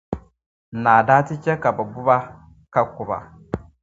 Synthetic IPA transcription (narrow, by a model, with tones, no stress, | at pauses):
naː˨da˦tɪ˦t͡ʃɛ˦ka˨ba˨bʊ˦ba˦ | ka˨kʊ˨ba̰˨